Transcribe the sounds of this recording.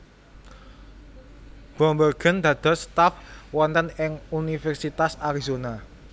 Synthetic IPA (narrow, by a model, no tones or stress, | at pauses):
b̥ɔmbərɡ̥ə̤nd̪̥ä̤d̪̥ɔ̤st̪afwɔnt̪ənɪŋunifɛrsit̪asaɾizona